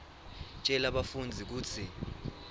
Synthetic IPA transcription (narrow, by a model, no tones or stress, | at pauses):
t͡ʃʼɛlaɓafund͡zʱik̬uːt͡sʰi